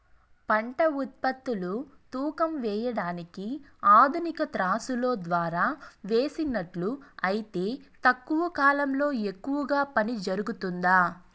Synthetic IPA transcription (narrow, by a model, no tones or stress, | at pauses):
pɐɳʈɐut̪̚pɐt̪ːulut̪uːkɐmʋɛːjɐɽaːnikiaːd̪ʱunikɐt̪ɾaːsulo̞ːd̪ʋaːɾaːʋeːsinːɐʈluɐjit̪e̞ːt̪ɐkːuʋɐkaːlɐmlo̞ːe̞kːuʋɐɡaːpɐnid͡ʒɐɾuɡut̪und̪aː